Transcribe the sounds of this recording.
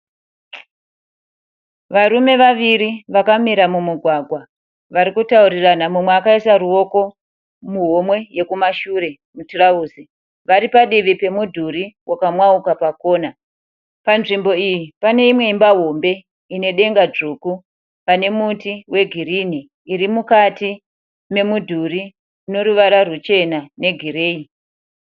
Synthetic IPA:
ʋaɾume̞ʋaʋiɾiʋakamiɾamumuɡʱwaɡʱwa | ʋaɾikutauɾiranamumweakaisaruo̞ko̞ | muɦo̞mwe̞je̞kumaʃuɾe̞ | muturauːzi | ʋaɾipaɗiʋipe̞mudʱuɾiwʔakamwaukapako̞ːna | panʐimbo̞ijipane̞imwe̞imbaɦo̞mbe̞ | ine̞ɗe̞ŋɡad͡ʐuku | pane̞mutiwe̞ɡʱiɾiniː | ɾimukati | me̞mudʱuri | uno̞ɾuʋaɾarut͡ʃe̞nane̞ɡʱiɾe̞ːi

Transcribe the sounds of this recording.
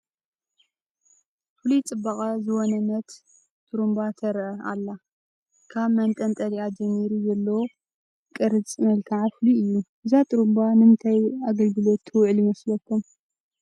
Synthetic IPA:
fɨlit͡sʼɨbːakʼazɨwonɐnɐt̪ | t̪ʼuɾumbat̪ʰɐɾʔɐʔa̰lːa | kʰaβmɐnt̪ʼɐnt̪ʼɐliad͡ʒɐmːiɾizɐlːo | kʼɨɾɨt͡sʼmɐlkʰaʕafluɨjːuʔɨzat̪ʼuɾumbanɨnt̪ʰajaɡɐlɡɨlo̞t̪ʰːɨwʕljɪmɐslɐkʰːum

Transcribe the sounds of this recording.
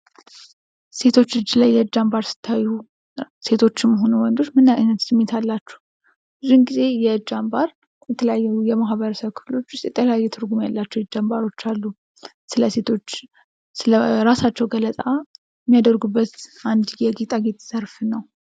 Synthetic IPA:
se̞t̪ʰo̞t͡ʃːɨd͡ʒːilajːɛd͡ʒambaɾsɨ̥t̪ʰːaju | se̞t̪ʰo̞t͡ʃːɪmməɦo̞nuwɔnd̪o̞t͡ʃːmɨnːanət̪sɨmːet̪ʰalːat͡ʃːɛ̥h | ɨzunɡize̞jɛd͡ʒːambaɾ | jɛt̪ʰələjajːɛujɛmaɦβəɾəsəβkʰɨ̥flo̞t͡ʃːʊst̪jɛt̪ʰələjajːɛt̪ʰɨɾɡumjalːat͡ʃːɛwɨd͡ʒambaɾo̞t͡ʃːalːu | sɨləset̪ʰot͡ʃː | ɨləɾasat͡ʃːɛwɡələt̪ʼa | mːijad̪əɾɡubːət̪and̪jɛɡit̪ʼaɡet̪ʼz̥əɾfnəw

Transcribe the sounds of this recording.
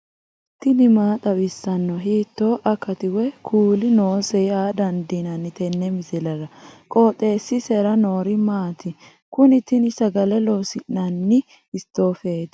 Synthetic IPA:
t̪ɪnɪmaːt̪ʼɐbɪsːɐnːɔɦiːt̪ːoːʔɐkːɐt̪ɪwɛkʰuːlɪno̞ːsɛjaːd̪ɐnd̪inɐnːɪt̪ɛnːɛmɪzɪlɐɾɐkʼoːt̪ʼːe̞ːsːɪsɛɾɐnoːɾɪmaːt̪ɪ | kʊnɪt̪ɪnɪsɐɡɐlɛlo̞ːsɪnːɐnːɪ | ɪst̪ːo̞ːfeːt̪

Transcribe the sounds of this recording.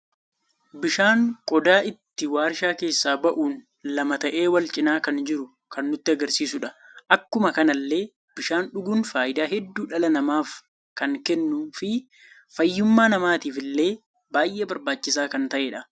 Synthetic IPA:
bɪʃaːŋkʼɔd̪aːʔɪt̪ːɪwaːɾʃaːke̞ːsːaːbɐʔuːn | lɐmɐt̪ɐʔeːwɐlt͡ʃʼɪnaːkɐnd͡ʒɪɾʊ | kɐnːʊt̪ːɪɐɡɐɾsiːsʊᶑɐʔɐkːʊmɐkɐnɐlːe̞ː | b̥ɪʃaːnᶑʊɡuːnfaːʔɪd̪aːɦɛd̪ːuːᶑɐlɐnɐmaːf | kɐŋkɛnːʊfɪ | fɐjːʊmːaːnɐmaːt̪iːfɪlːe̞ː | baːjʔeːbɐɾbaːt͡ʃːɪsaːkɐnt̪ɐʔeːᶑɐ

